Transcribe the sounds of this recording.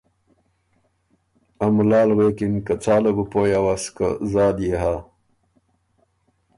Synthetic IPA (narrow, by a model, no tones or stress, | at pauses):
ɐmlaːlɣekinkət͡saːlɐɡupoːjawaskə̰zaːd̪jeɦa